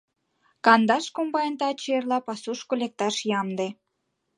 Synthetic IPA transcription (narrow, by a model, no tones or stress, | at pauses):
kɑnd̪ɑʃkombɑjənt̪ɑt͡ɕerlɑpɑsuʃkolek̚t̪ɑʃjɑmd̪e